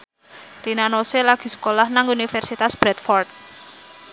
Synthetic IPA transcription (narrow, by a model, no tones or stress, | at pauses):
rinanoselaɡ̥i̤sə̥kolahnaŋunifɛrsit̪asb̥ɾɛt̪fɔrt̪̚